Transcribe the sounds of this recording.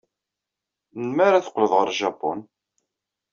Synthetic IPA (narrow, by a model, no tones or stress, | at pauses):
nmæɾaθə̥qːləðˤʁəɾʒɑpːɔ̰n